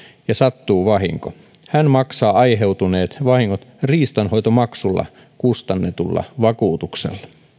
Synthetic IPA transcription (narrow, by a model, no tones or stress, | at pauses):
jɑsɑt̪ːuːʋɑɦḭŋko | hænmɑksɑːɑjɦe̞wt̪une̞ːt̪ʋɑhiŋːot̪riːst̪ɑnho̞jt̪o̞mɑksulːɑ̰ | kust̪ɑnːet̪ulːɑ̰ʋɑkuːt̪uksḛlːɑ